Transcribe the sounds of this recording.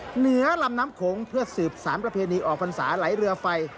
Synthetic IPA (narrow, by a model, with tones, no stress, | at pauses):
nɯ˩˦ɐla˧mnaː˦˥mkʰoː˩˦ŋpʰɯ˥˩ɐsɯː˨˩p̚saː˩˦npɾa˧pʰeː˧niː˧ʔɔː˨˩k̚pʰa˧nsaː˩˦la˩˦jɾɯ˧ɐfa˧j